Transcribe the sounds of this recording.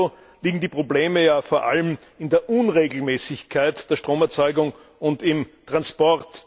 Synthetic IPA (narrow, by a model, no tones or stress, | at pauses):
o | liːɡŋ̩diːpʁ̥obleːməjaːfoːɐʔa̰ləm | ɪndeːɐʔʊnʁeːɡl̩mɛːsɪçkʰaɪtd̥eːɐʃtʁ̥oːmɛɐt͡sɔʏɡʊŋ | ʊntɪmtʁ̥anspɔʁt